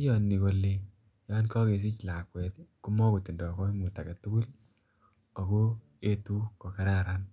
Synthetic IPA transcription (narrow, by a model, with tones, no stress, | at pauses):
i˦jɔ˨nːi˨ko˨lːe | jɔ˦nkɔ˦ke˨s̬i˦t͡ʃla˨kwɛ˨tku˦mɔ˦ku˨ti˨ndɔ˨kɔ˦mu˨ta˨ka˨tu˦ku˦l | ɔ˨ko˦ | e˦tu˦kɔ˨ka˦ɾa˦ɾa˦n